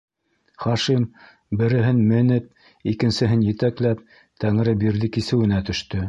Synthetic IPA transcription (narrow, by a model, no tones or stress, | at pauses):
χɑʃim | bɘ̆ɾɘ̆ɦɘnmɘ̆nɘp̚ | ikɘ̆nsɘ̆ɦɘnjɘ̆t̪æklæp̚ | t̪æŋɘ̆ɾɘbiɾðɘkisɘ̆wɘ̆næt̪ɵ̆ʃt̪ɵ